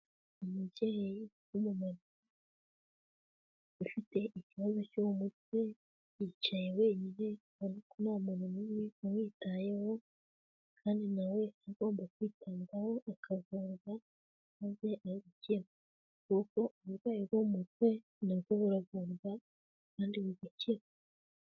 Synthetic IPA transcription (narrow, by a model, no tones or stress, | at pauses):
imiɟeheji | jumumaɾu | a | ifite̞ʔiciβazo̞comut̚we̞ | it͡ʃajewe̞ːɲiɾe | anikunamuɾimumiumwiːtaje̞ho̞ | kʰaːndinawe̞aɡo̞ːmbakwiːtʰaːŋɡaho̞ʔakʰavuɾɡa | maze̞aβuceɾa | kuko̞uβuɾɡwaːjiɾɡomutwe̞ | nakoβuɾavuɾɡa | kaːndiβuziciɾa